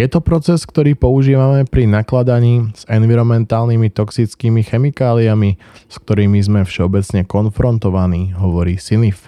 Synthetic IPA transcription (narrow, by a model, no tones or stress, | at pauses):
jɛt̪ɔpɾɔt͡sɛskt̪ɔɾiːpɔuʒiːʋamɛpɾinaklad̪aɲiːz̥ɛnʋiɾɔmɛnt̪aːlnimit̪ɔksit͡skiːmixɛmikaːliami | sk̚t̪ɔɾiːmizmɛfʃɛɔbɛt͡sɲɛkɔnfɾɔnt̪ɔʋaniːɦɔʋɔɾiːsinif